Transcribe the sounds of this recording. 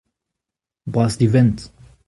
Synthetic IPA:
basd̪ivɛ̃nt

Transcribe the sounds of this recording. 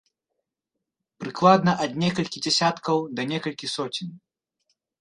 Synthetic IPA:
pɾɨklˠad̪nɐʔɐd̪nʲɛkɐlʲkʲid͡zʲɛsʲat̪kɐwd̪ɐnʲɛkɐlʲkʲisɔt͡sʲin

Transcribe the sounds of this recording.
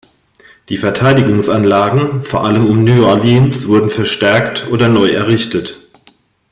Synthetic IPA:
d̥iːfɛɐtʰaɪdɪɡʊŋsanlaːɡŋ̩foːɐʔaləmʊmnyːɔɐlinsv̥ʊɐdn̩fɛɐʃtɛɐktʰʔoːdɐnɔʏɛɐʁɪçtət

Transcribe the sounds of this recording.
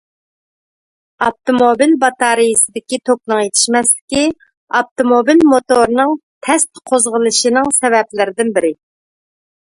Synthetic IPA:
ɑp̚t̪omobilbɑt̪ɑɾijisɨd̪ɪkʲit̪ʰoknɨŋjet̪ʰɪ̥ʃmɛslɪkʲi | ɑp̚t̪omobilmot̪oɾnɨŋt̪ʰɛst̪qʰozʁəlˠɨʃinɨŋsɛvɛplɪɾɪd̪ɪnbɪɾɪ

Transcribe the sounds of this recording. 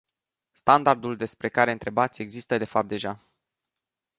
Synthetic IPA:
st̪and̪ard̪uld̪e̞spɾe̞kaɾe̞ɨnt̪ɾe̞bat̪sʲe̞ɡzist̪əd̪e̞fap̚t̪̚d̪eʒa

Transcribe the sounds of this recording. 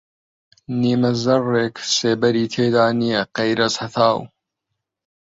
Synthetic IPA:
niːmɐzɐrːeːkseːbɐɾiːt̪ʰeːd̪aːnijɐqejɾɐzhɐt̪ʰaːw

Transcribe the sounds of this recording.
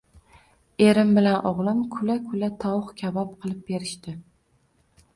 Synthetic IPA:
e̞ɾɪmbɪlanʔɒʁlˠɪmkʰʊlakʰʊlat̪ʰɒwχkʲʰavɒp̚qʰɨlˠɪp̚be̞ɾɪʃt̪ɪ

